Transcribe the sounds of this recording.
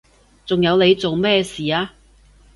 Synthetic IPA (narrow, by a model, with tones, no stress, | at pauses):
t͡sʊ˨ŋjɐ˨˧wne˨˧jt͡so˨wmɛː˥siː˨˩aː˧